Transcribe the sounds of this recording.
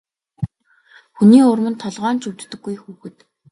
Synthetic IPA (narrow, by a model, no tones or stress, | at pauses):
xuniːʊrmɵ̆nt̪ʰɔɮʁɔːnt͡ɕɵwt̪ːɘ̆ɡːujxuːxɘ̆t̪